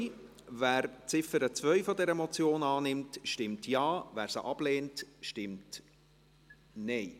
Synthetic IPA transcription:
væːɾt͡sɪfəɾət͡svœɥfɔdɛɾəmɔt͡sjoːnɑːnɪmtʃtɪmtjɑːvæːɾsəʔɑb̥leːntʃtɪmt | nɛj

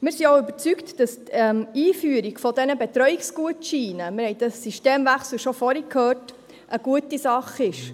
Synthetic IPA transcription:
mɪːɾsioʊøbəɾt͡syktd̥ɑstɛmiːfyəɾiɡ̥fɔdɛnəbɛtɾœɥiksɡ̥uətʃiːnəmɪɾhɛɪd̥ɑsːiʃteːmvæχsl̩ʃɔfɔɾikʰhøːt | ʔəɡ̥uətisɑχɪʃ

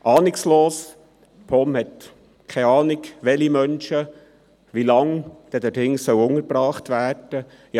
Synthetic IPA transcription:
ʔɑːnɪksloːs | pʰɔmhɛt | kʰɛɑːnɪkʋɛlimœnʃə | ʋilɑŋd̥ɛdɛɾɪŋsœwʊŋəɾbɾɑːχt̪ʋæːrd̥ə | jɑ

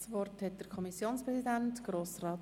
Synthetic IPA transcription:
sʋɔrthɛt̚d̥əɾkʰɔmisjoːnspɾɛsidæntɡ̥roːsrɑːt

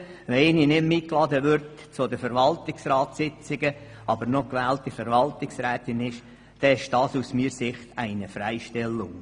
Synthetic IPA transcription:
ʋɛɪninɪmmiklɑd̪əʋʏɾtt͡sʊd̪əfəɾʋɑltɪksrɑːtsɪt͡sɪɡə | ʔɑbəɾnɔkʋæːltifɛɾʋɑltɪksɾɛːt̪ɪnɪʃ | d̥ɛɪʃd̥ɑːsusmiːɾsɪχt̪ʰæɪnəfɾæɪʃtɛlːʊŋ

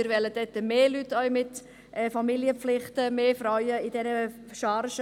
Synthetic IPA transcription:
ɪɾʋɛləd̥ɛt̪ːəmeːlytːœʏmɪt | ɛfɑmiliəflɪχtəmeːfrœʏəid̥ɛnə | ʃɑɾʃ

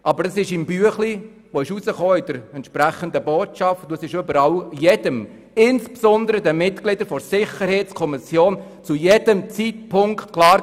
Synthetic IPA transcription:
ʔɑbəɾəsɪʃɪmbyəχli | ʋoɪʃuzəχoːɪd̥əɾɛntʃpɾæχənd̪əboːtt͡ʃɑftd̪usɪʃʏbəɾɑljɛd̥əm | ɪnspsɔnd̪əɾəd̪əmɪtɡ̥lɪd̥̪əɾfɔɾsɪχəɾhɛɪtt͡skʰɔmɪsjoːn | t͡sujɛd̥əmt͡sit̚pʰʊŋktkʰlɑː

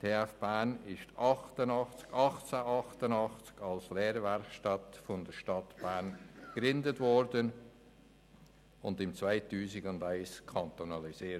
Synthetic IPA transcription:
tʰeːæfb̥ænɪʃtʰɑχtənɑχt͡skɑχt͡saʔɑχtənɑχt͡skɑlsleːɾvɛɾkʃtɑtfɔndəʃtɑtb̥æɾnɡ̥ɾɪndətvɔɾdən | ʊndɪmt͡svaɪtuːsɪɡʊndaɪskʰɑnt̪onɑliziː

